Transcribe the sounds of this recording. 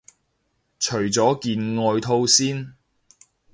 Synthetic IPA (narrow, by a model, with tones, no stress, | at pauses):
t͡ʃʰɵ˨˩ɥt͡sɔː˨˥kiː˧nŋɔː˧jt̪ʰo˥wsiː˥n